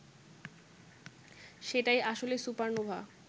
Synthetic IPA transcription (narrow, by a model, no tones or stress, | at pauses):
ʃeʈajaʃolesupaɾnobʱa